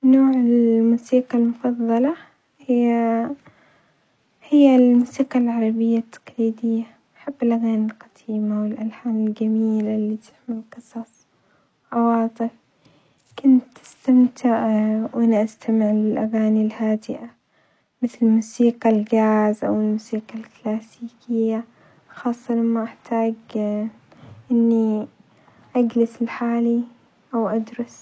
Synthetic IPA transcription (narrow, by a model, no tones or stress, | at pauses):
noːʕɪlmuːsiːqɑlmʊfɑðˤːɑlɑ | hɪ | hɪjːalmuːsiːqɑlʕɑɾˤɑbɪjːat̪ʰːḁqliːd̪ɪjːa | ʔħabːɪlʔaɣaːnilqɑ̥t̪ʰiːmawɪlʔalħaːnɪlɡamiːlalːit̪ʰɪ̥ħmɪlqɨsˤɑsˤ | wʔɑwɑːt̪ˤɨf | kʊnt̪ːɪ̥st̪amt̪ʰɪʕwʔɪnːaʔast̪amɪʕlɪlʔaɣaːnilhaːd̪ɪʔa | mɪθlɪmuːsiːqɑlɡaːzʔawɪlmuːsiːqalklaːsiːkʰɪjːa | xɑːsˤːɑlamːaʔaħt̪ʰaːɡ | ʔɪnːi | ʔaɡlɪsɪlħaːli | ʔawʔad̪ɾʊs